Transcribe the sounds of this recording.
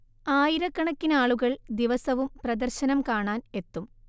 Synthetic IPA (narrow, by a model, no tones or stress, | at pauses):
aːjiɾɐkːɐɳɐkːinaːɭuɣɐɭd̪iʋɐsɐʋumprɐd̪ɐrɕɐnɐmkaːɳaːne̞t̪ːum